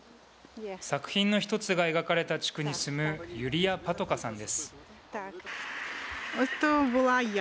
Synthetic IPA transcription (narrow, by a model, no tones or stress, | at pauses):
sakɯ̟̥çĩnːo̞çi̥t̪o̞t͡sɨɡae̞ɡakaɾe̞t̪at͡ɕi̥kɯ̟ɲ̟isɨmɯ̟jɯ̟ɾʲijapat̪o̞kasãnd̪e̞sɨ̥ | ot̪obola